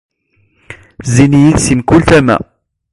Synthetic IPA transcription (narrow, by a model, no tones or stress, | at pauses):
zinijid̪simkult̪æmæ̰